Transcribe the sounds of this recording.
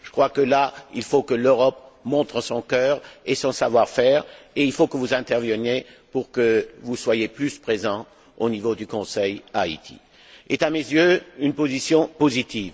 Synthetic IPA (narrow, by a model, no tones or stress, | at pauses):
ʒ̥əkχwakəlailfokəløʁɔpmɔ̃t̪χəsɔ̃kœːʁesɔ̃savwaʁfɛːʁeilfokəvuzɛ̃t̪ɛʁvənjepuʁkəvuswajeplyspχezɑ̃ | onivod̪ykɔ̃sɛjaḭt̪ʰḭ | et̪amezjøynpozisjɔ̃pozit̪iːv